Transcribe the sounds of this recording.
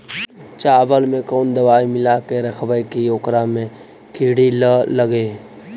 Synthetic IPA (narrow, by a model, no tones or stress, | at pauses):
t͡ʃaːbəlmẽkɔːnd̪əʋaːimɪlakeɾəkʰbəjkijoːkɾamẽ | kiːɽilələɡeː